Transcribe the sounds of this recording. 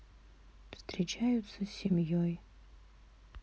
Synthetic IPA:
pstʰret͡ʃʰaːjut͡sɐsʲimjoj

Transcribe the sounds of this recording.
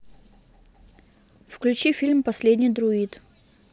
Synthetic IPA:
fklʲʉt͡ɕifʲilʲmpɐsʲlʲedʲnʲɪjd̪ɾʊit̪

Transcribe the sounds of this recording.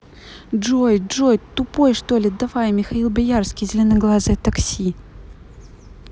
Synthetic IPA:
ʐojʐojt̪ʊpojʂt̪olʲɪd̪ɐfajmʲɪxɐilˠbʲɪjarskʲijzʲɪlʲonɨjɡlˠazat̪ɐksʲi

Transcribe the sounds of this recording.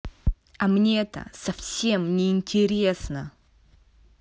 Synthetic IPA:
ɐmnʲeɛt̪ə̰sɐfsʲe̞mnʲɪɪnʲtʲɪɾʲesnə

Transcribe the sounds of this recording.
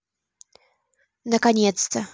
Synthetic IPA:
nakaɲʲɛt̪st̪sɐ

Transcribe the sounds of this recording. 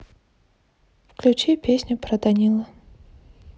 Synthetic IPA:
fklʲut͡ʃipʲesʲnʲʊpɾɐd̪anʲilˠɐ

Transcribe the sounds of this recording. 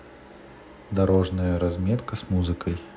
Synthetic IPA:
d̪ɐɾoʐnəjəɾɐzmʲɛt̪kəsmuzɨkəj

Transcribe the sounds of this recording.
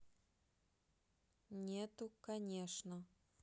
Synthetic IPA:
nʲet̪ukɐnʲeʂnə

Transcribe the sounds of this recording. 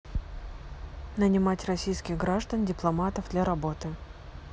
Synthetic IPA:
nənʲɪmatʲrɐsʲijskʲɪɣɡɾaʐd̪əndʲɪplˠɐmat̪əvd̪lʲaɾɐbo̞t̪ɨ

